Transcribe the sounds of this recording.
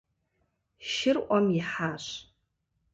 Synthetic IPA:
ʃɪrʔʷʼamiħaʃʷ

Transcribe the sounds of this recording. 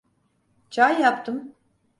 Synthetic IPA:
t͡ʃʰajːapt̪ʰɯm

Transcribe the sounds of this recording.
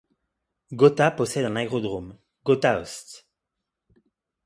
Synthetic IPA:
ɡɔt̪apɔsɛd̪ɛ̃naeʁɔd̪ʁom | ɡot̪aɔst̪

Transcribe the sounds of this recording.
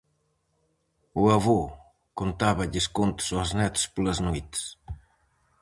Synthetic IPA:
uɐβo | kont̪aβɐʎiskont̪sɔznɛt̪spləznojt̪s

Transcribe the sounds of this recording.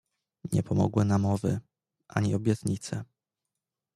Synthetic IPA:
ɲɛpʰɔmɔ̰ɡwɘnamɔvɘ | ʔaɲiɔbʲjɛt̪ɲit̪sɛ

